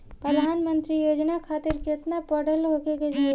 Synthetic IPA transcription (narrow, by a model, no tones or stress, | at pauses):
pɾəd̪ʱaːnmə̃nt̪ɾijoːd͡ʒnakʰaːt̪ɪɾkɪt̪napəɽəlɦoːkeked͡ʒa